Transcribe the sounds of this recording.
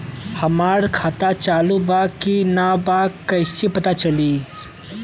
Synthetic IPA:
hɐmaːɾkʰaːt̪at͡ʃaːlubaːkinabaɐɪsipɐt̪at͡ʃɐli

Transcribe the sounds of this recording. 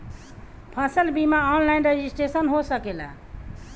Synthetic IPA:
pʰãsəlbimaɔnlaɪinɾed͡ʒisʈɾesənɦosəkela̰

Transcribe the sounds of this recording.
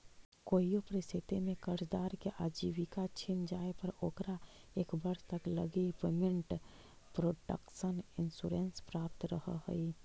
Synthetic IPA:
koːijopəɾɪst̪ʰɪt̪emẽkəɾt͡ʃd̪aːɾkeʔaːd͡ʒiːwikat͡ʃʰɪnd͡ʒaːepəɾoːkɾa | eːkbəɾst̪ɐkləɡipeːmɪ̃ɳʈ | pɾoːʈə̰kʃənɪnsuːɾẽːnspɾaːp̚t̪ɾəhə̰ho̰i

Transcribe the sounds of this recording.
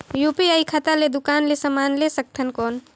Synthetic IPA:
juːpiaːikʰat̪aled̪ʊkaːnlesɐmaːnlesɐk̚t̪ʰənkoːn

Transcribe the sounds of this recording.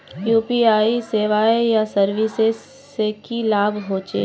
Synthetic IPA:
juːpiaːiseːʋaːejasɐɾʋɪses | ekilaːbʱɦoːt͡ʃḛː

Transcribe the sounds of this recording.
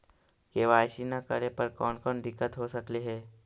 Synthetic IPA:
keʋaːjsinakəɾepəɾkɔːnkɔːnd̪ɪkːət̪ɦosəkleɦɛː

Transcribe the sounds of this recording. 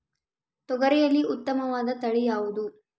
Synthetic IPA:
t̪ɔɡɐɾɛjɐlːiʔut̪ːɐmɐʋaːd̪ɐt̪ɐɭijaːʋud̪u

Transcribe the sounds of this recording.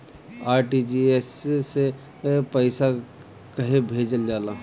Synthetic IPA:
aːɾʈid͡ʒiesːe | pəɪsa | kɐɦebʱeːd͡ʒəld͡ʒaːlaː

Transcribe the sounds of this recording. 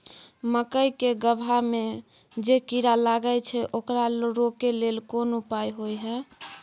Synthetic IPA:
məkəjkeɡəbʱame | d͡ʒekiɾalaɡət͡ʃʰɛʔokɾaɾokelelkonupajɦojɦɛ

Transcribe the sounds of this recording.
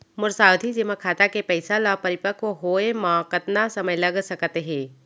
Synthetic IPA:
mʊɾsaːwd̪ʱid͡ʒɪməkʰaːt̪akepɛɪsalapɐɾɪpəkoɦoemãkət̪nasɐməjlɐɡsɐkt̪eɦɛ̃ː

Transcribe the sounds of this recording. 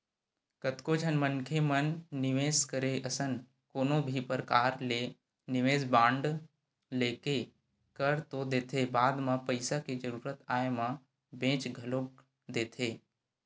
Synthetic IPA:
kət̪kod͡ʒʱənmənkʰemənːɪʋeːskəɾeʔɐsən | koːnõbʱipəɾkaːɾleː | nɪʋeːsbãːɳɖ | leːke | kəɾt̪od̪eːt̪ʰebaːd̪mãpəɪsaked͡ʒəɾuːɾət̪aːjmã | bẽːt͡ʃɡʱəlõk | d̪eːt̪ʰeː

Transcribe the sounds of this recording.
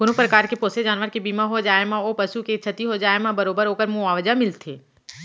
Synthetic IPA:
ɡʊnopɾəkaːɾkepoːsed͡ʒaːnʋəɾkebiːmaɦod͡ʒaːemãopɐsuket͡ʃʰɐt̪iɦod͡ʒaːemãbɐɾoːbəɾɦoːkəɾmũaːʋəd͡ʒamɪlt̪ʰeː

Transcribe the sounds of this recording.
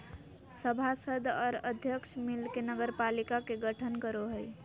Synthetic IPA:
səbʱasəd̪ʱɔːɾəd̪ʱjəkʃʰmilkenəɡəɾpalikakeɡəʈʰənkəɾoɦəj

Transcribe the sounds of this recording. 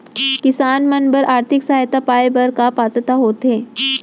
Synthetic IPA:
kɪsaːnmənbəɾʔaːɾt̪ʰɪksaːjt̪apaːjbəɾkapaːt̪ət̪aɦoːt̪eː

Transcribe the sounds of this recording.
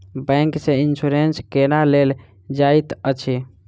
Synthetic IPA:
bɛ̃ŋksẽinsuɾenskenalel | d͡ʒajt̪ət͡ʃʰi

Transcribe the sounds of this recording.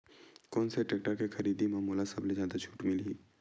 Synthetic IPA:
kɔːnseʈeːk̚ʈəɾkexɐɾiːd̪imaːmuːlasɐblezjaːd̪at͡ʃʰuːʈmɪliː

